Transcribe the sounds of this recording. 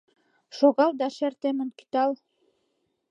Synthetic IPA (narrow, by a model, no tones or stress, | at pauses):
ʃoɣɑlˠd̪ɑʃæɾt̪emɘ̆nki̥t̪ɑlˠ